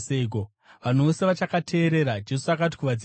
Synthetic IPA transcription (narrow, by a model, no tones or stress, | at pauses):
seɡo | ʋan̤oseʋat͡ʃakatʰe̞ːɾe̞ɾad͡ʒe̞suakati̥kuʋad͡zi